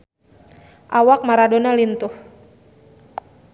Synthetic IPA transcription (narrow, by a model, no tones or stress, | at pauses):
ʔawak̚maɾadonalint̪uh